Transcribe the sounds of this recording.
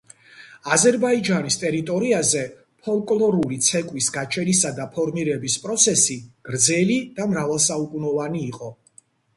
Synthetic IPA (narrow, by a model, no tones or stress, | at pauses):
azɛɾbaid͡ʒanist̪ʼɛɾit̪ʼɔɾiazɛ | pʰɔlˠkʼlˠɔɾulit̪sʰɛkʼwisɡat͡ʃʰɛnisad̪apʰɔɾmiɾɛbispʼɾɔt̪sʰɛsiɡ̥ɾd̪zɛlid̪̥amɾavalˠsaukʼunɔvaniːqʼɔ